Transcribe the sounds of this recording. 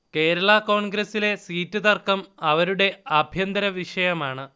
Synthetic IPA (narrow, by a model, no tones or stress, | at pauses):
ke̞ːɾɐɭɐko̞ːɳɡɾɐsile̞siːtːɨðɐrkɐmɐʋɐɾuɽe̞ɐbʱjɐnd̪ɐɾɐʋiʂɐjɐmaːɳɨ